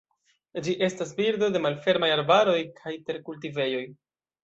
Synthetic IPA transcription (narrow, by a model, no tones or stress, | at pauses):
d͡ʒiʔe̞stas̬biɾdo̞de̞malfe̞ɾmajaɾbaɾo̞jkʰajte̞ɾkult̬ive̞jo̞j